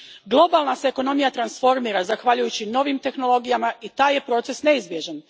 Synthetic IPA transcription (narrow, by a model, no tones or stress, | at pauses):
ɡlˠo̞baːlˠnaseːko̞no̞mijat̪ɾansfo̞ɾmiːɾazaxʋaʎujut͡ɕino̞ʋimt̪e̞xno̞lˠo̞ɡijamait̪aːje̞pɾo̞ːt̪se̞sne̞izbje̞ʒen